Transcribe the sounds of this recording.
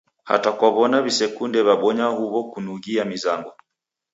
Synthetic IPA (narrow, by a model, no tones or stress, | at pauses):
ha̰takwaβɔnaβisɛkundɛβaɓɔɲahuβɔkunuɣiamizaŋɡɔ